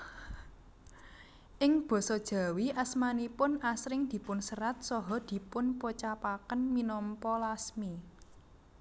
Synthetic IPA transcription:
ʔɪŋb̥ɔ̤sɔd̥ʒ̥a̤wiʔasmanipʊnasɾɪŋd̪̥i̤pʊnsəɾat̪̚sɔɦɔd̪̥i̤pʊnpot͡ʃapakənminɔmpɔlasmi

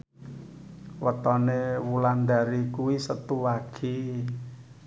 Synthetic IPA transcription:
wət̪ɔnewuland̪a̤ɾikuwisət̪uwaɡ̥i

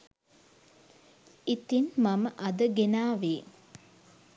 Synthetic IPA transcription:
it̪inmaməʔɐd̪əɡenaːʋeː

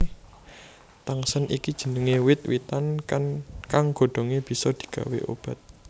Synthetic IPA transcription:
t̪aŋsənʔikid̥ʒ̥ə̤nəŋewɪt̪̚wit̪anankaŋɡ̥o̤ɖ̪̥o̤ŋeb̥i̤sɔd̪̥i̤̥ɡ̥ä̤weʔo̰b̥ä̤t̪̚

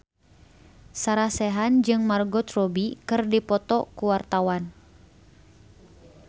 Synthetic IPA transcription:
saɾasɛɦand͡ʒɨŋmarɡɔt̪rɔbikɨrdipɔt̪ɔkuwart̪awan

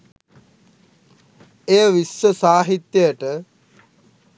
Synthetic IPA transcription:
ejəʋisəsaːɦit̪jəjəʈə

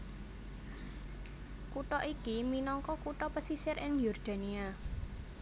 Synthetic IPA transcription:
kuʈɔʔikiminɔŋkɔkuʈɔpəsisɪɾʔɪŋjɔrd̪̥a̤nia

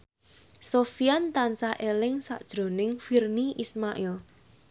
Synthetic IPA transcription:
sofiant̪ansaʔelɪŋsa̰ʔd̥ʒ̥ɾo̤nɪŋfirniʔismaʔɛl

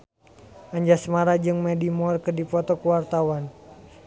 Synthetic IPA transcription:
aɲd͡ʒasmaɾad͡ʒɨŋmɛdimɔrkɨrdipɔt̪ɔkuwart̪awan

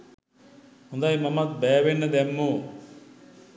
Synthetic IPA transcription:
hund̪ajmɐmɐt̪̚beːʋenːɐd̪emːu

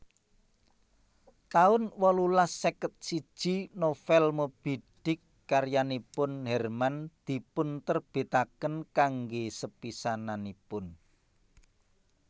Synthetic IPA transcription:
t̪aʊnwɔlulasːekət̪̚sid̥ʒ̥i̤nofɛlmob̥iɖ̥ɪ̤kːarjanipʊnhɛrmand̪̥i̤pʊnt̪ərb̥e̤t̪akənkaŋɡesəpisananipʊn

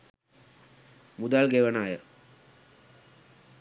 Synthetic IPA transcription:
mud̪aːlɡeʋənaːjə

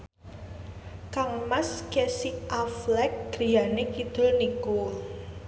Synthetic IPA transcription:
kaŋmaskɛsiʔaflɛk̚ɡ̥ɾi̤janekid̪̥ʊ̤lniko

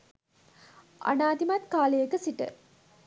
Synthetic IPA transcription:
ʔa̰naːd̪imat̪kaːlejəkəsiʈə̰

